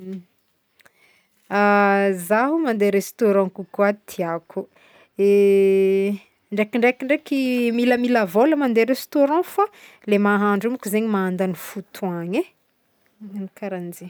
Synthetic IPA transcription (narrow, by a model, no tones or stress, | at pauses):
azaɦumand̪eɾest̪oɾɔ̃kukwat̪ʰiaku | e | ɳɖ͡ʐekiɳɖ͡ʐekiɳɖ͡ʐekimiləmiləvoləmand̪eɾest̪oɾɑ̃fa | lemaɦaɳɖ͡ʐumikʲuzeɲimaand̪anifut̪ʰuaɲe | nikaɾand͡ʒe